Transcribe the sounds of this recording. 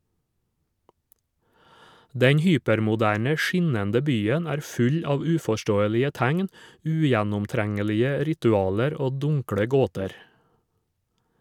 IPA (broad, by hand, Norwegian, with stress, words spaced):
ˈdɛɲ ˈhyːpɛɾmʊˌdæːɳə ˈʃɪnɛndə ˈbyːən ˈæːɾ ˈfʉʎ ˈɑːʋ ˈʉːfɔˌʃtoːəlɪə ˈtæŋn ˈʉːjænʊmˌtɾæŋəlɪə ˈɾɪtʉˌɑːləɾ ˈoː ˈdʊŋkɽə ˈɡoːtɛɾ